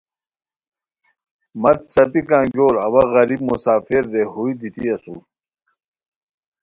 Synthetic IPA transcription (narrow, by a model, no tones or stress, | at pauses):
mɐt̪sɐpikãːɡoːɾɐwɐɣɐɾib̚musaːfiɾːeɦuid̪it̪iɐsṵ